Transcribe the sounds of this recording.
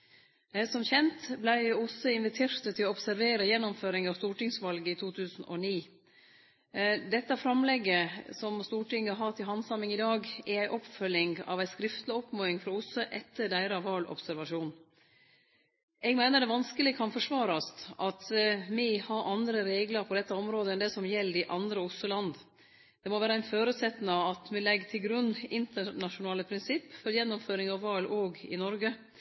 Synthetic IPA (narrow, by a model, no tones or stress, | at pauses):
sɔmçɛnt̪blæɪʊsəɪnʋɪt̪ʰeːɾt̪ət̪ʰɪlɔɔpsæɾʋeːɾəjɛnːɔmføːɾɪŋɑʋst̪uːʈɪŋsʋɑlɡəit̪ʰuːt̪ʰʉːsn̩ʔɔ̰niː | d̪ɛt̪ːɑfɾɑmlɛɡːəsɔmst̪uːʈɪŋːəɦɑt̪ɪɦɑnsɑmɪŋɪd̪ɑːɡɛæɪʔɔpfœlɪŋɑ̰ʋæɪskɾɪft̪lɪɔpːmoːɪŋfɾɑʊsəʔɛt̪ʰːəɖæɪɾɑʋɑːlʔɔ̰psæɾʋɑʂuːn | ɛɡmæɪnəɖ̪ɛʋɑnskəlɪkʰɑnfɔʂʋɑːɾɑst̪ʔɑt̪mɪhɑɾʔɑnd̪ɾəɾeːɡləɾpʰɔd̪ɛt̪ːəɔmɾoːd̪əɛnd̪ɛsɔmjɛlːɪʔɑnd̪ɾəʊsːʊlɑnd̪ | d̪̥ɛmɔʋæːɾəæɪnføːɾʉːt̪sɛt̪ːnɑɑt̪mɛlɛɡːt̪ʰɪlɡɾʉnːɪnt̪əɳɑʂʊnɑːləpʰɾɪnsɪpːfɔɾjɛnːɔmføːɾɪŋɑʋːɑːlʔoːɡɪ̰nɔɾɡə